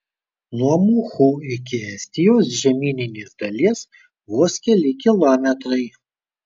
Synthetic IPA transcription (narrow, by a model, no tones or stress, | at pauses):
nuɔmuːxuːɪkʲɪɛsʲt̪ʲɪjoːsʒʲɛmʲiːnʲɪnʲeːsd̪ɐlʲiɛs | ʋuɔskʲɛlʲɪkʲɪlˠɔːmʲɛt̪ɾɐɪ